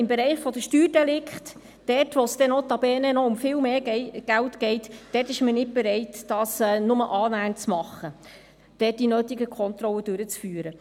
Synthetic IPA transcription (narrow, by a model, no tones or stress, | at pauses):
ɪmbeɾɛɪχfɔdəʃtyːrd̥ɛlɪkχt | d̥ɛrtʋosd̥ɛnɔt̪ɑbɛːnɛnɔʊmfɪːlmeːɡ̥æltɡ̥ɛɪtd̥ɛrtɪʃmənɪt̚b̥ɛɾɛɪtd̥ɑːsɛnʊməʔɑːnæːnt͡smɑχːə | d̥ɛt̚d̥inøːt̪iɡəkʰɔnt̪ɾɔlːəd̥ʉɾət͡sfyːɾə